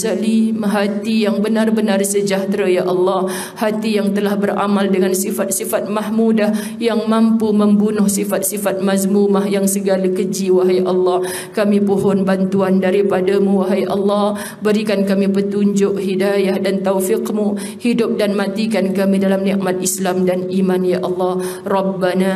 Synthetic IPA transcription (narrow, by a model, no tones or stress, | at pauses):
salimɦat̪ijaŋbənarbənarsəd͡ʒaht̪ɾajaʔɑlːɑh | hat̪ijaŋt̪əlahbəɾʔa̰maldəŋansifat̪̚sifat̪̚maɦmudah | jaŋmãmpuməmbunʊhsifat̪̚sifat̪̚mazmumaɦjaŋsəɡalakəd͡ʒiwaɦajʔɑlːɑh | kamipoɦɔnbant̪uandaɾipadamuwaɦajʔɑ̰lːɑh | bəɾikankamipət̪uɲd͡ʒʊʔhidajahdant̪awfɪqmu | hidʊp̚danmat̪ikankamidalamniʔmat̪̚ʔislamdanimanjaʔɑlːɑhrɑbːana